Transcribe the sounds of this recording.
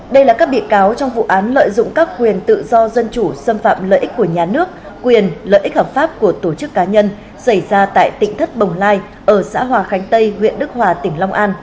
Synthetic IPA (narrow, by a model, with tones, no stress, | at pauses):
ɗə˧jlaː˨˩kaː˦˥k̚ɓḭ˧˨əkaː˨˦wt͡ɕɔ˧wŋ͡mvṵ˧˨ʔaː˨˦nlə̰ː˧˨jzʊ̰˧˨ŋ͡mkaː˦˥k̚kwi˨˩ənt̪ɨ̰˧˨zɔ˧zə˧nt͡ɕu˧˩sə˧mfa̰ː˧˨mlə̰ː˧˨jʔi˦˥k̟̚ku˧˩əɲaː˨˩nɨ˦˥ək̚ːwi˨˩ənlə̰ː˧˨jʔi˦˥k̚həː˨˩p̚faː˦˥p̚ku˧˩ət̪o˧˩t͡ɕɨ˦˥kːaː˨˦ɲə˧n | sa˧˩jzaː˧t̪a̰ː˧˨jt̪ḭ̈˧˨ŋ̟t̪ʰə˦˥t̚ɓə˨˩wŋ͡mlaː˧j | ʔəː˧˩sa̰ː˧˥ɦwaː˨˩xa˨˦jŋ̟t̪ə˧jŋwḭ˧˨ənɗɨ˦˥k̚hwaː˨˩t̪ï˧˩ŋ̟la˧wŋ͡mʔaː˧n